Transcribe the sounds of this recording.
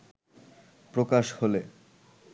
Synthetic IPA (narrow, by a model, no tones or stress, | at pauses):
pɾokaʃhole